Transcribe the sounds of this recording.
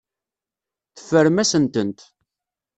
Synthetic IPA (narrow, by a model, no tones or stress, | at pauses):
θə̥fːəɾmæsənt̪ənt̪